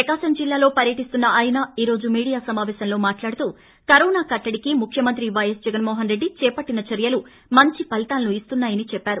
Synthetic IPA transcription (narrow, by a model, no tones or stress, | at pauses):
pɾɐkaːʃɐmd͡ʒilːaːlo̞ːpɐɾjɐʈist̪unːɐʔɐjnaːiːɾo̞ːd͡ʒumiːɽijaːsɐmaːʋɛːʃɐnlo̞ːmaːʈlaːɽut̪uː | kɐɾoːnaːkɐʈːɐɽikimukʰjɐmɐnt̪ɾiʋɐjɐsd͡ʒɛɡɐnmoːɦɐnɾe̞ɖːit͡ʃɛːpɐʈːinɐt͡ʃɐɾjɐlu | mɐɲt͡ʃipɐlit̪aːlɐnuist̪unːaːjɐnit͡ʃɛpːaːɾu